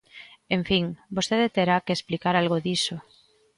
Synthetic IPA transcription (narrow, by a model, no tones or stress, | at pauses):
eɱfiŋbost̪eðet̪eɾakesplikaɾalɣ̞oðiso